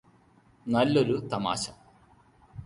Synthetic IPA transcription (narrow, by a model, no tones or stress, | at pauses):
nɐlːo̞ɾut̪ɐma̰ːɕɐm